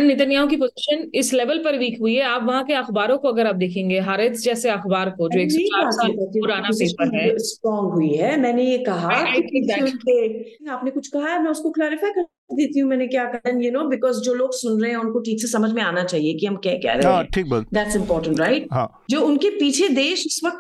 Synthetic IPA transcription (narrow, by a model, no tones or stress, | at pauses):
nːɪt̪ənjaːõk̬ipoːzɪʃənɪslɛʋəlpɐɾʋiːkɦʊiɦɛaːpʋɐɦãkeɐxbaːɾõkoɐɡəɾaːp̚d̪eːkʰẽːŋɡeːɦaːɾət̪sd͡ʒɛːseɐxbaːɾkod͡ʒoːeːkːt͡ʃaːɾasaːɐt̪uɾaːnaseːpəɦɛsʈɾɔːŋɡɦʊiɦɛːmɛ̃ːnejekɐɦaaːɪkɪʊnkeaːpnekʊt͡ʃʰkɐɦaɦɛmɛ̃ːʊskoklaːɾɪfaːjkɐɾ | t͡ʃd̪eːt̪iɦũmɛ̃ːnekjaːkɐd̪ə̃njunoːbɪkɔːzd͡ʒoːloːɡsʊnɾɐɦẽɦɛ̃ʊnkoʈʰiːksesɐməd͡ʒʱmẽaːnat͡ʃaːɦiekiɦɐmkjaːkɛ̰ːɾɐ̰ẽʈʰiːk̚bɐd̪æʈsɪ̃mpɔːɾʈə̃ɳʈɾaɪʈ̚ɦãː | d͡ʒoːʊnkepiːt͡ʃʰed̪eːʃʊsʋɐk̚t̪